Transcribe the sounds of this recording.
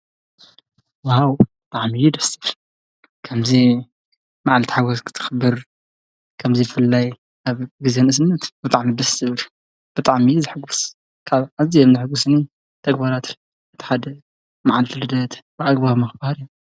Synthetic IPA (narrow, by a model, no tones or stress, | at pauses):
wawbɨt̪ʼaʕmijud̪ɐsɨ̥f | kʰɐmzi | maʕalt̪ʰi̥ħaɡoskʰɨ̥t̪ʰɨ̥xɨbɨɾ | kʰɐmzibɨfɨlːaj | aβɡizenɨs̬ɨnːɐt̪bɨt̪ʼaʕmid̪ɐsɨβɾ | b̥ɨt̪ʼaʕmijuzɨħɨɡus | kʰaβʕazijɛmzɨħɨɡusɨni | t̪ʰɐɡbaɾat̪ | ɨt̪ʰi̥ħad̪ɐ | maʕalt̪ʰɨlɨd̪ɐt̪bɨʔaɡbaβmɨxɨbahaɾju